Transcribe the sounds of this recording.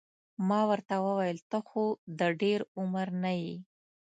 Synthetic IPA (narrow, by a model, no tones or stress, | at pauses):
mɑwəɾt̪awəwajəlt̪əxod̪əɖeɾʊməɾnaji